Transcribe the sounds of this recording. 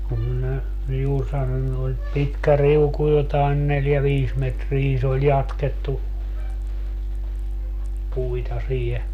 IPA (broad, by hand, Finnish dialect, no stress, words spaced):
kum minæ juːr sɑnonːu et pitkæ riuku jotɑen neljæ ʋiːs metriː se olʲ jɑtketːu puitɑ siːhe